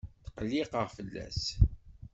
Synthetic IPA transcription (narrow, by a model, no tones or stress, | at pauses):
θqəlːiqəʁfəlːæ̰s